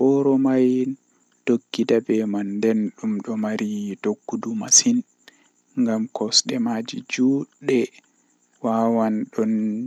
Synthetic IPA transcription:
ʔɔɾɔmaj | d̥okːidabɛmandɛnɗumɗɔmaɾidoɡːudumasin | ŋɡamkɔsɗɛmad͡ʒid͡ʒuɗɛ | waːwanɗɔn

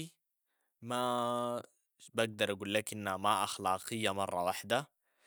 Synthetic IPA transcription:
i | ma | baɡ̚d̪ɑɾˤʔaɡuːlːakʔinːamaʔɑxlɑːqɨjːamɑrˤːɑwaħd̪a

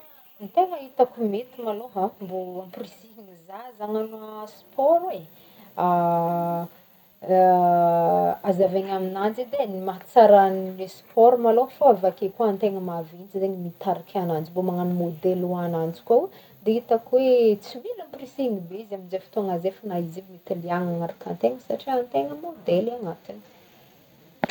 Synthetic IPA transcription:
nt̪eŋəit̪akumet̪imaloɦamboamprisiŋizazaŋanuaspɔɾe | a | azaveɲaminand͡zid̪enimat͡saɾannespɔɾmaloɦfoɾvakekuant̪eŋəmavint͡sieɲəmit̪aɾakʲʰanand͡ʒimbomaŋanimod̪eluanand͡zi̥kʲow | d̪eit̪akwet͡similumprisiŋibeizaminzefi̥t̪oŋazefanaizivimit̪iliaŋaŋaɾakant̪eŋəsaʈ͡ʂiant̪eŋəmod̪elanat̪ini̥

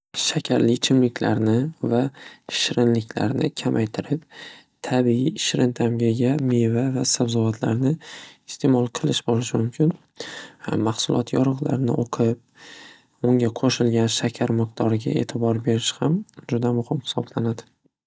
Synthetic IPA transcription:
ʃakʲʰaɾlɪt͡ʃʰɪmlɪkʲʰla̰ɾnɪvaʃɾɪnlɪkʲla̰ɾnɪkʲʰamʔajt̪ʰɪɾɪp̚ | t̪ʰabiiʃɾɪnt̪ʰamɡʲaɡʲamevavasabzɒvat̪ʰla̰ɾnɪɪst̪ʰe̞mɒlˠqʰɨlˠɪʃbɒɾɪʃɪmʊmkʲʰɪn | maχsʊlˠʔɒt̪ʰjɒɾɨʁla̰ɾnɪ̰ʔoqʰɨp̚ | ʊŋɡʲaqʰoʃɪlɡʲanʃakʲʰaɾmɨq̚t̪ʰɒɾɪɡʲa̰e̞̰t̪ʰɪbɒɾbe̞ɾɪʃhamd͡ʒʊd̪amʊhɪmhɪ̥sɒblanad̪ɪ

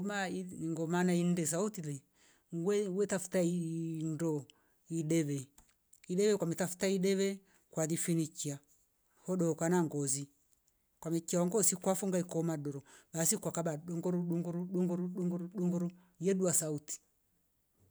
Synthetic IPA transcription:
maiŋɡɔmanaindɛs̬autilɛ | wɛwɛtafu̥taindɔ | iɗɛβɛ | iɗɛβɛkwamɛtafu̥taiɗɛβɛ | kwaðifinikia | hɔɗɔkanaŋɡɔzi | kwamɛkiawaŋɡɔsikwafuŋɡaikɔmaɗɔɾɔɓasikwakaɓaɗɔŋɡɔɾuɗuŋɡɔɾuɗuŋɡɔɾuɗuŋɡɔɾuɗuŋɡɔɾu | jɛɗuasauti̥

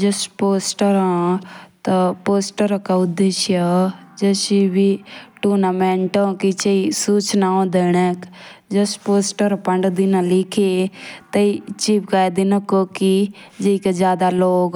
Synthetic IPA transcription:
d͡ʒəspoːsʈəɾãːt̪ɐpoːsʈəɾakaʊd̪eʃjəd͡ʒəʃibiʈuːnaːmẽːɳʈãːkit͡ʃeisuːt͡ʃnaːõd̪eːɽɛkd͡ʒəspoːsʈəɾpəɳɖd̪inãlɪkʰet̪əit͡ʃiːpkaːjd̪inakokid͡ʒeikezjaːd̪aloːɡ

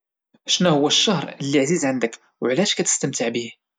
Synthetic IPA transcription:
ʃnæhʊwːæʃːɑhɾˤəlːiʕzizʕənd̪ək | wʕlæʃkæt̪ə̥st̪əmt̪əʕbih

